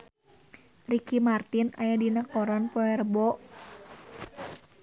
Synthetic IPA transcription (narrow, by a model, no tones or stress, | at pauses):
rikimart̪ɪna̰jadinakɔɾanpɔɛrbɔʔ